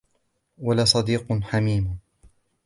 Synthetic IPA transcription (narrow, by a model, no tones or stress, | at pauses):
walasˤɑd̪iːqħamiːm